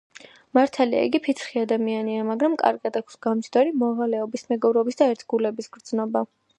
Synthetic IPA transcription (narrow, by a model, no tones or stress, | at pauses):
maɾt̪ʰalia̰ḭɡipʰit̪sχiad̪amianiamaɡɾamkʼa̰ɾɡad̪akʰsɡ̥amt͡ʃʰd̪aɾimɔʁalɛɔbismɛɡɔbɾɔbisd̪aɛɾt̪ʰɡulɛbisɡ̥ɾd̪znɔba